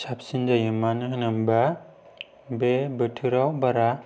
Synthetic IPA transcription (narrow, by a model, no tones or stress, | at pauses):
sap̚sind͡ʒajɯmːanɯɦɯnɯmba | bebɯtʰɯɾawbaɾa